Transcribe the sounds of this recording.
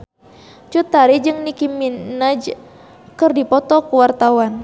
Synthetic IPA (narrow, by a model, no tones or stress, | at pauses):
t͡ʃut̪aɾid͡ʒɨŋnikiminad͡ʒ | kɨrdipɔt̪ɔkuwart̪awan